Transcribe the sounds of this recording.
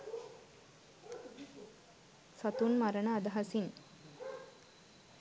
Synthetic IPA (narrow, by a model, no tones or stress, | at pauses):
sɐt̪unmaɾənəːd̪ɐɦasin